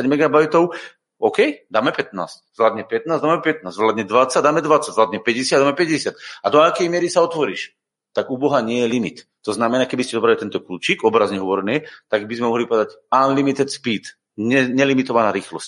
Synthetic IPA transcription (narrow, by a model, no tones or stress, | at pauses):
aɟmɛɡabajt̪ɔʊ | ɔkɛjd̪aːmɛpɛt̪̚na̰ːsczlad̪ɲɛpɛt̪̚naːzd̪aːmɛpɛt̪̚naːzzlad̪ɲɛd̪ʋat͡saɟd̪aːmɛd̪ʋat͡saɟzlad̪ɲɛpɛɟɛsɪjadd̪aːmɛpɛɟɛsɪat̪ad̪ɔakɛjmɪɛɾisaɔt̪ʋɔɾiːʃ | t̪aɡubɔɦaɲɪɛjɛlimit̪ːɔznamɛnaːkɛbiscɛd̪ɔbɾalit̪ɛnt̪ɔkluːt͡ʃikɔbɾazɲɛɦɔʋɔɾniːt̪aɡ̚bizmɛmɔɦlipɔʋɛd̪acaːnlimit̪ɛt̪spiːt̪ | ɲɛɲɛlimit̪ɔʋanaːɾiːxlɔsc